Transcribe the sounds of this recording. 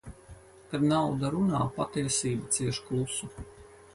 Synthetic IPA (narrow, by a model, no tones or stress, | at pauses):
kaɾnawd̪aɾunaːpat̪iɛsiːbat̪siɛʃklˠusu